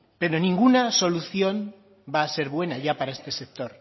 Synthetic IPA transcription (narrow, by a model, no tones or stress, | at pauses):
pe̞ɾo̞nĩŋɡunaso̞luθjo̞n | baːse̞ɾβwe̞naʝapaɾae̞st̪e̞sek̚t̪o̞ɾ